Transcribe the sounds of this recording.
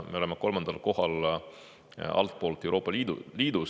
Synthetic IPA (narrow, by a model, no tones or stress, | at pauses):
me̞o̞lemeko̞lmɑnd̪̥ɑlko̞ɦɑl | ɑ̰lt̪̚po̞ːlt̪ːˑe̞wɾoːpːˑɑliːd̪̰liːd̪̥us